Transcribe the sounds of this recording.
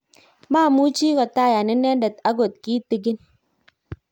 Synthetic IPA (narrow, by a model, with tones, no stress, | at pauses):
maː˦˨mu˦t͡ʃi˦kɔ˨ta˦˨ja˨ni˦ne˦n˦de˨ta˦ɡo˨t̚ki˦ti˨ɡi˦n